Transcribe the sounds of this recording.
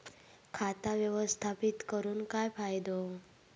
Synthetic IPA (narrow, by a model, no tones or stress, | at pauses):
kʰat̪aʋjəʋəst̪ʰapit̪kəɾuːnkajfajd̪o